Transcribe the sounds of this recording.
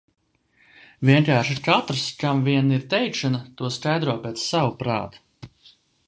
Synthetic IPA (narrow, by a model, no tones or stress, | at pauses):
vʲiɛŋkaːɾʃiɾkat̪ɾskamviɛniɾt̪ɛjkʃanat̪uɔskajd̪ɾuɔpɛːt̪ssːawupɾa̰ːt̪u̥